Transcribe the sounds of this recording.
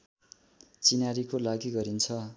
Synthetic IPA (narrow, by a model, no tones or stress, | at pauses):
t͡sinaɾikolaɡiɡʌɾint͡sʰʌ